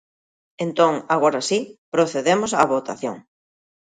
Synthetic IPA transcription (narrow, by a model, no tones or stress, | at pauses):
ẽnt̪õŋaɣ̞oɾasipɾoθeðemosaβot̪aθjo̰ŋ